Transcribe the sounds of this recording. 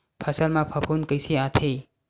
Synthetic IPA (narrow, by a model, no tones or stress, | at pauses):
pʰɐsəlmãpʰəpʰunkəjsiat̪ʰe